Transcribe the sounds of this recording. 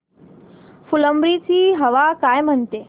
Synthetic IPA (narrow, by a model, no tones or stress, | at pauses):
fuləmbɾit͡ʃʰiɦɐʋakaːjmənt̪e